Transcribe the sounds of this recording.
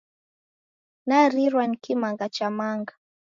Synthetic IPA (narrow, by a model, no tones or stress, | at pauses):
naɾiɾwankimaŋɡat͡ʃamaŋɡa